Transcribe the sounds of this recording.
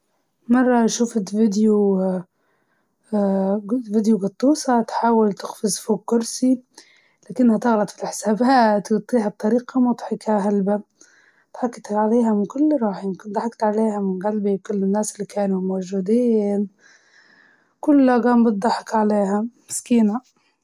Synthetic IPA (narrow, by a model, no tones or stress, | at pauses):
mɑrˤːɑʃuːfɪt̪vɪd̪ju | vɪd̪juɡɑt̪ˤːuːsɑt̪ħaːwalt̪ɪxfɪzˤfuːkːʊɾsi | laːkɪnːhat̪ɪɣlɑd̪ˤfilʔħsaːbaːt̪wt̪ˤːiːɦab̚t̪ˤːɑɾiːqɑmʊt̪ˤħɪkaɦalba | t̪ħɑkːɪt̪aʕaleːɦamɪnkʊlːɾˤɑːħɪɪmkɪnd̪ˤɑħɑkt̪ʕaleːhamɪnɣalbikʊlːɪnːaːsɪlːikaːnumawʒuːd̪iːn | kʊlːaɡaːmbɨt̪̚d̪ˤɑħɪkʕaleːɦamɪskiːna